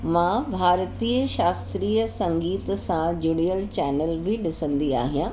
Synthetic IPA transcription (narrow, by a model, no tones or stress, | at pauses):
mãbʱaːɾt̪iːəʃaːst̪ɾiːəsɐ̃ŋɡiːt̪sãd͡ʑʊɽijəlt͡ɕɛːnəlbɪɗɪsə̃nd̪ia̰ːɦijã